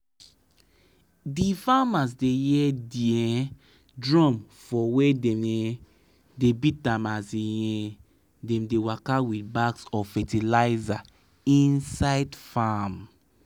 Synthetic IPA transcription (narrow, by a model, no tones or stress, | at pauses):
difamas̬dejɛdiɛ̃ | dɹɔ̃mfɔwedɛmɛ | debitãmasijɛ̃ | dɛ̃mdewakawitbaksɔfɛtilaɪza | ĩnsaɪdfam